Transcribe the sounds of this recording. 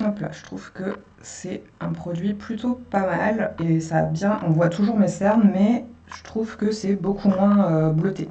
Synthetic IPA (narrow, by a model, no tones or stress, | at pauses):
ɔ̃pla̰ʒə̥t̪χuv̥kə | sɛɛ̃pχɔd̪ɥiplyt̪ʰopamalesabjɛ̃ʔɔ̃vwat̪ʰuʒuʁmesɛʁnmɛʒ̥ət̪χuvkəsɛbokʰumwɛ̃øblɔt̪e